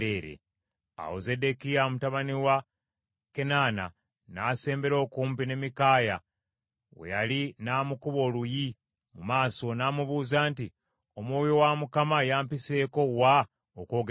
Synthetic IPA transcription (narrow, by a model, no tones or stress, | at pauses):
eːɾḛ | a̰wo̰ze̞de̞kijamutaβaniwa | ke̞nana̰ | naːse̞ːmbe̞ɾo̞ːkuːmpine̞mikaːja | wḛjalinaːmukuβo̞luji | mumaːso̞naːmuβuːzaːnti | omwoːjowamukamajaːmpise̞ːko̞wa | oko̞ːɡ